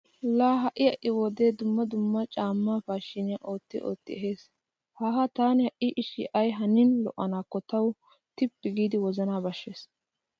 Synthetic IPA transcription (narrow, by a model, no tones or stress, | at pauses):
laːɦɐʔɪjɐʔɪwɔd̪eːd̪ʊmːɐd̪ʊmːɐt͡ʃʼaːmːaːfaːʃɪnɪɐʔo̞ːt̪ːɪʔo̰ːt̪ːɪɛɦeːs | haːɦɐt̪aːnɪhɐʔɪʔɪʃɪʔɐjɦɐnɪnlɔ̰ʔːɐnaːkːɔt̪ɐw | t̪ɪpːɪɡiːd̪ɪwɔzɐnaːbɐʃːeːs